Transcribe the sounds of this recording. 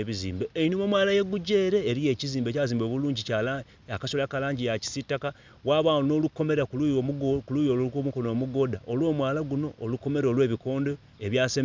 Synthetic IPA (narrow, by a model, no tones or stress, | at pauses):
eβizḭːmbeeinimomwaːlajeɡuɟe̞ːɾe̞ːɾije̞ːciziːmbecaziːmboβuluːɲɟical | akasolakalaːɲɟijaci̥sitːaka | waːβano̞ːlukːo̞me̞ɾakokulujokomukonomuɡo̞daʔolwo̞mwaːlaɡuno̞ːlukːo̞me̞ɾolwe̞ːβiko̞ːndo̞ | eβjaːsem